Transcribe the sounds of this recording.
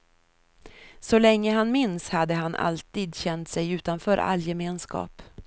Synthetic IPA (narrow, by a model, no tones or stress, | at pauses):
sɔlɛŋːəɦanmɪnshad̪ːəɦanʔa̰lt̪iːd̪ɕɛnt̪sɛjʉ̟ːt̪anfœːɾʔa̰lːjɛmeːnskɑ̰ːp